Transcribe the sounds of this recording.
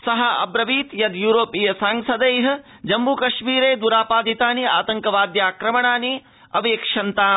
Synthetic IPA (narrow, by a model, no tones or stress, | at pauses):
sɐɦɐɐ̰bɾɐʋiːt̪jɐd̪juːɾoːpijɐsaːŋsɐd̪ɐjɦɐ | d͡ʒɐmbukɐʃmiːɾeːd̪uɾaːpaːd̪it̪aːnia̰ːt̪ɐŋkɐʋaːd̪jaːkɾɐmɐɳaːni | ɐʋeːkʂɐnt̪aː